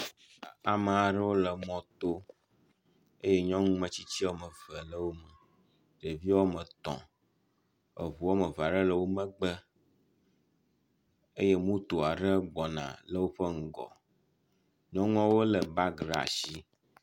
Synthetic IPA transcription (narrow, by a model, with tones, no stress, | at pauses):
a˨mə̃˨a˨ɖə˦wo˦lə˨mɔ̃˦t̪o˦ | e˦je˦ɲɔ̃˦ŋũ˦mə̃˦t͡ɕi˦t͡ɕi˦o˦mə̃˨və˨lə˦wo˦mə˨ | ɖe˨vi˦wo˦mə̃˨t̪ɔ̰̃˨ | ə̰˨vu˨o˦mə˨va˨ɖə˦lə˨wo˦mə̃˦ɡ͡bə˦ | e˦je˦mũ˦t̪o˨a˨ɖə˦ɡ͡bɔ˨nã̰˨lə˦wo˦ɸə˦ŋ̩˨ɡɔ̰˨ | ɲɔ̃˦ŋ˦ɔ̃˦wo˦lə˨ba˦ɡɾa̰˨ʃi˦